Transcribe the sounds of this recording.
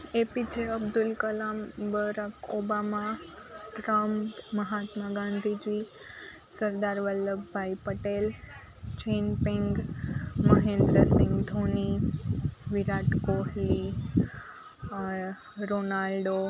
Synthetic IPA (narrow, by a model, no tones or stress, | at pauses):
epit͡ʃeəbd̪ʊlkəlambəɾakobamaʈɾəmːəɦat̪maɡãnd̪ʱid͡ʒi | səɾd̪aɾʋəlːəbbʱaipəʈel | t͡ʃenpĩŋɡməɦẽnd̪ɾəsɪ̃ŋɡd̪ʱoni | ʋiɾaʈkoɦli | ɾonalɖo